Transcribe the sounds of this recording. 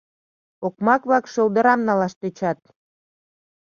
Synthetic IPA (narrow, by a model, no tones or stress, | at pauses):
okmɑkβlɑkʃold̪ə̆ɾɑmnɑlɑʃt̪et͡ɕɑt̪̚